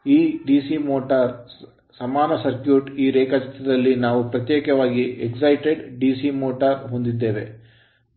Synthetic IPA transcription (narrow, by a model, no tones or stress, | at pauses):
iːɖiːsimoːʈɐɾ | sɐmaːnɐsɐɾkjuːʈiːɾeːkɐt͡ʃɐt̪ːɐd̪ɐlːinaːʋupɾɐt̪jeːkɐʋaːɡieksɐjʈeɖɖiːsimoːʈɐɾɦond̪id̪ːe̞ːʋe̞̰